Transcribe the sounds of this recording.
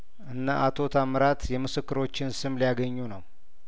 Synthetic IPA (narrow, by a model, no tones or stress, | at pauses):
ʔɨnːaʔat̪ʰo̞t̪ʰamɾat̪jɛmɨsɨkːɨɾo̞t͡ʃːɪnsɨmlijaɡəɲːunəw